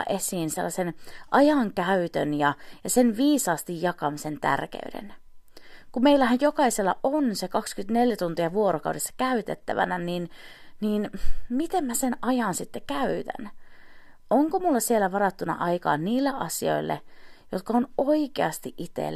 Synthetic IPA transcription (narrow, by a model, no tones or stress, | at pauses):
ʔesiːnsḛlːɑsenʔɑjɑŋkæyt̪ønjɑjɑsenʋiːsɑːst̪ijjɑkɑmisent̪æ̰rkḛydḛn | kummeilːæhæjjokɑiselːɑ̰ʔonsekɑkskyt̪ne̞ljæt̪unt̪iɑʋuoɾokɑuwdʔesːɑ̥kæyt̪et̪ːæʋæ̰nænin | niːnmit̪emmæsenɑjɑnsit̪ːekæyt̪æ̰n | ʔoŋkomulːɑsielæʋɑɾɑt̪ːunɑ̰ʔɑikɑ̰ːnːiːlːeʔɑsio̞̰ilːḛjot̪̚kɑonoikḛɑst̪iʔʔit̪ḛ